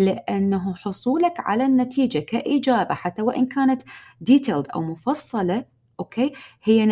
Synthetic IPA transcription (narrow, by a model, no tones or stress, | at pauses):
lɪʔanːaɦħʊsˤuːlakʕa̰lanːat̪iːd͡ʒakaʔid͡ʒaːbaħat̪ːawaʔɪnkaːnat̪d̪iːt̪ʰeːld̪ʔa̰wmʊfɑsˤːɑlɑ | ʔoːkeːhɪjːan